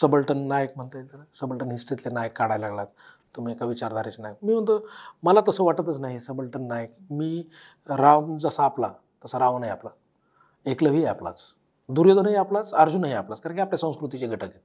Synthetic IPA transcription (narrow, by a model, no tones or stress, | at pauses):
səbəlʈənːajək̚m̤əɳt̪əet̪ənasəbəlʈənɦisʈɾit̪lenajəkːaɽajlaɡlat̪ː | um̤iekaʋit͡ɕaɾd̪aɾet͡ɕnajəkmiːʋ̤əɳt̪əməlat̪əsəʋaʈət̪ət͡snaɦisəbəlʈənːajəkmiː | ɾaʋd͡zəsaːpla | t̪əsaɾãʋnaɦiapla | ekləʋiapla̰t͡s | d̪uɾjəd̪onɦiaplat͡səɾd͡zunaɦiaplat͡skaɾãŋkʲiapljasə̃w̃skɾut̪it͡ɕeɡʱəʈʰəket̪